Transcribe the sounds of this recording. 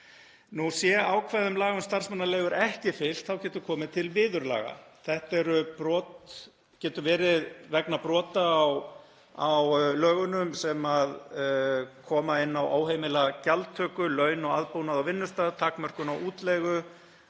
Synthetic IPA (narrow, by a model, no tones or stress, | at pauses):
nusjɛaːwkʰvaːðʏmlaːɣʏmst̪aɾ̥smanːalɛːɣʏɾɛhcɪfɪl̥t̪θawcɛːt̪ʏkʰɔːmɪt̪ʰɪlvɪːðʏɾla̰ːɣa̰θɛht̪ɛɾʏpɾɔːt̪ | cɛːt̪ʏvɛːɾɪðvɛknapɾɔːt̪aːw | awlœːɣʏnʏmsɛmað | kʰɔːmaɪnːawʔa̰ːwɦejmɪlacalt̪ʰːœːkʏlœɥnɔɣaðpownaðawvɪnːʏst̪aːðt̪ʰaːkmœr̥kʏnawʔuːt̪lɛɣʏ